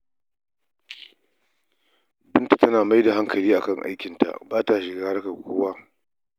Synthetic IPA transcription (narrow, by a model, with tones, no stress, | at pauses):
bɪ˦nta˨tɐ˦naː˨ma˦jda˨ɦa˦ŋkɐ˨liː˦ʔa̰˨kɐ˦˨ŋʔa̰˦jkʲɪ˨nta̰˨ʔbaː˦ta˨ʃɪ˨ɡaː˦ɾka˨kʷoː˦waː˦